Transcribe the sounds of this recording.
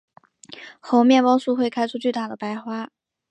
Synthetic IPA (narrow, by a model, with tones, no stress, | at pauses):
xo˧˥ʊmjɛ˥˩nwɑ˥ŋsu˥˧xwe˥˩ɪkʰa˥ɪʈ͡ʂʰu˥t͡ɕy˥˧t̪a˥˩d̪ə˩pa˥ɪxwa˥